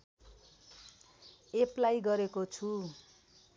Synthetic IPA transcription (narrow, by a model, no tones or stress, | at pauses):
eplajɡʌɾekot͡sʰu